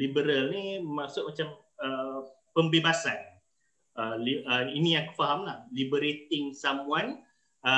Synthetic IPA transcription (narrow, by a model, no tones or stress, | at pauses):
libəɾalnimasʊʔ̚mat͡ʃam | ə | pəmbebasan | əliəinijaŋkə̥faɦamlahlibəɾet̪ɪŋsamuan | ə